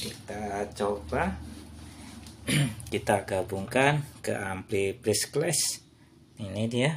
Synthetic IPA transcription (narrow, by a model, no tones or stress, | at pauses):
kit̪at͡ʃoba | kit̪aɡabuŋkankə̰ʔamplipɾɪsklɛs | inidija